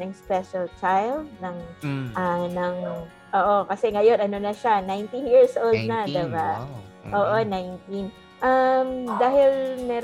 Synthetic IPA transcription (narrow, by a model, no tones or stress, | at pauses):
ɐŋspɛʃɐlt͡ʃajld̪̚nɐŋʔɐnɐŋ | ʔoːʔo̞kɐsɛŋɐjo̞nʔɐno̞nɐʃanajnt̪injiɹsʔold̪̚nɐd̪ɐɡaʔoːʔo̞najnt̪in | ʔɐmd̪aːɦɪlmɛːɾ